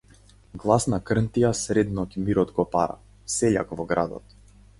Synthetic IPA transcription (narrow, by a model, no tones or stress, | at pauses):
ɡlˠasnakr̩nt̪ijasɾɛd̪nɔcmiɾɔd̪ɡɔpaɾa̰ | sɛʎa̰kvɔɡɾa̰d̪ɔ̰t̪